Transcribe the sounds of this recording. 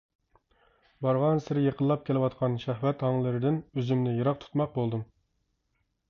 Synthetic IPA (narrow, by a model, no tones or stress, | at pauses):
bɑɾʁɑnsɪɾɪjeqʰəlˠːɑp̚kʲelɪwɑt̪qʰɑnʃæhwɛt̪hɑŋlˠɨɾɪd̪ɪnøzymnɪjeɾɑq̚t̪ʰu̥t̪mɑq̚bolˠd̪ɨm